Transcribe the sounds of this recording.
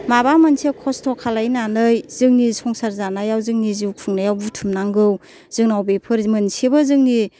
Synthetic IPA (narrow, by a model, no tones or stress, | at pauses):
mabamansekʰɔstʰɔkʰalajnanɯjz̥ɯŋnisʰɔŋsaɾzanajawzɯŋniziwkʰɯŋnajawbutʰumnaŋɡɯw | z̥ɯŋnawbepʰɯɾmɯnsebazɯŋni